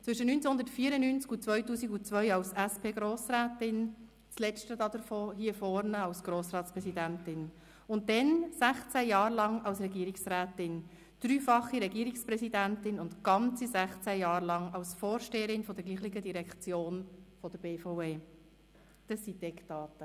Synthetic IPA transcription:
t͡sʋʏʃənynt͡sɛhʊndəɾtfiːɾənynt͡skut͡sʋœʏtuːsiɡut͡sʋœʏɑwsæspʰeːɡɾoːsɾæːtɪn | t͡slɛt͡ʃtəd̪ɑd̪əɾfoːhiːəfɔɾnəɑwsɡ̥ɾoːsrɑːtspɾɛsidæntɪn | ʊnt̚dɛnsæχt͡sæjɑːɾlɑŋɑwsɾɛɡiːəɾɪksɾæːtɪn | d̪̥ɾyːfɑχiɾɛɡiːɾikspɾɛsidæntɪnʊntɡ̥ɑnt͡sizæχt͡sæjɑːɾlɑŋɑwsfoːɾʃteːəɾɪnfɔd̥ɛɾɡliːχlɪɡədiɾɛkt͡sjoːnfɔd̥əbeːfɔweː | d̪̥əsːid̥ɛktɑːtə

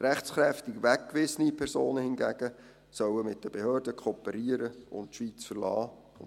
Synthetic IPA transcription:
ɾɛχt͡sχɾɛftɪɡʋækkːʋɪsənipʰɛɾsoːnəhɪnɡæɡ̥ə | sœwəmɪt̚d̥əb̥ehøːɾdəkʰoːpəɾiəɾəʊ̰ntʃʋit͡sfərlɑː | ʊn

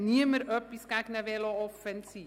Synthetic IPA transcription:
niəməɾœpiskæknəvelɑɔffənsi

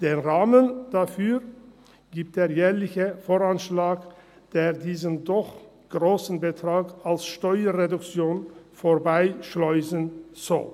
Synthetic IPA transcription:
d̥eːnʁaːmənd̥afyːʁ | ɡ̥iːp̚td̥eːɐjɛːlɪçəfoːʁanʃlaːk | d̥eːʁdiːzəndɔχ | ɡ̥ʁoːsn̩bətʁ̥aːkalsʃtɔʏɐʁedʊkt͡sjoːnfoːɐbaɪʃlɔʏzənz̥ɔ̰l

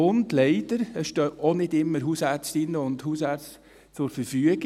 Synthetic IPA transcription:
ʊndlɛɪd̥əɾəsʃtœːonɪdɪmːəɾɦuːsæɾt͡stɪnːəʊnd̪huːsæɾt͡st | t͡sʊɾfəɾfyəɡ

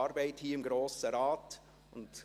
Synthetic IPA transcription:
ɑɾbæɪthiːɪmɡɾoːsəɾɑːt | ʊnd

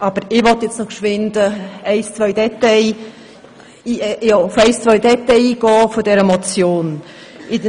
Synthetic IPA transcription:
ɑb̥əɾɪʋɔt̪jɛt͡snɔkʃʋɪnd̥̪əɛɪst͡sʋœʏd̥ɛt̪ɛɪ | jɑʊfɛɪst͡sʋœʏdɛt̪ɛjiːɡ̥ɔːfodɛɾəmɔt͡sjoːn | ɪ

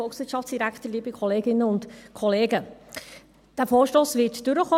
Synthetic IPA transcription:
ɔlˠksʋɪtʃɑftsd̥iɾækχtəliːbikʰɔleːɡɪnːəʊntkʰɔleːɡə | d̥æfoːɾʃtoːsʋɪtd̥ʉɾəχoː

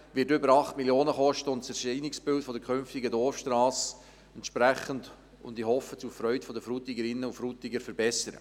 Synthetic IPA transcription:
ʋɪːtʏbəɾɑχtmiljoːnəχɔʃtəʊntt͡sɛɾʃiːnɪksbɪltfɔdəkʰχʏnftɪɡədɔrfʃtɾɑːs | ɛntʃpɾæχənd | ʊ̰ndihɔfːət͡sufɾœʏtfɔdəfɾutiɡəɾɪnːəʊfɾutɪɡəɾfəɾbɛsəɾə̰

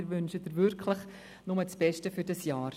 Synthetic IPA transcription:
ɾvʏnʃədəɾvʏɾkʰləχ | nʊmət͡sb̥ɛʃtəfyɾdɑsjɑːɾ

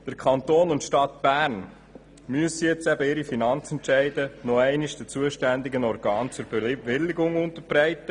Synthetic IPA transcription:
d̪̥əɾkʰχɑnt̪oːnʊntʃtɑtb̥æːɾn | myəsijɛt͡sɛbəɪɾifinɑnt͡sɛntʃɛɪdənɔɛɪnɪʃd̥ət͡suəʃtænd̪ɪɡənɔɾɡɑːnt͡sʊɾb̥eʋɪlːɪɡʊŋʊnt̪əɾb̥ɾɛɪt̪ːə

